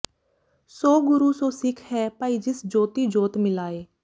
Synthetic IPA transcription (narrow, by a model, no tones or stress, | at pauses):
soːɡʊɾuːsõːsɪkʰhɛːpaːiːd͡ʒɪsd͡ʒoːt̪iːd͡ʒoːt̪mɪlaːeː